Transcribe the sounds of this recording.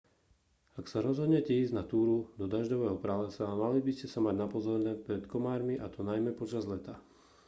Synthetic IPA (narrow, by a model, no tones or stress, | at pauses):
aksaɾɔzɦɔd̪ɲɛcɛiːzɟnat̪uːɾud̪ɔd̪aʒdɔʋɛːɦɔpɾalɛsamalibiscɛsamaɟnapɔzɔɾnɛpɾɛt̪kɔmaːɾmiʔat̪ɔnajmɛpɔt͡ʃazlɛt̪a